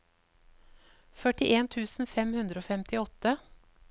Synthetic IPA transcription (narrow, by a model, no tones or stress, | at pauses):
fœʈɪʔeːnt̪ʰʉːsn̩fɛmhʉnd̪ɾəoːfɛmt̪ʰɪɔt̪ə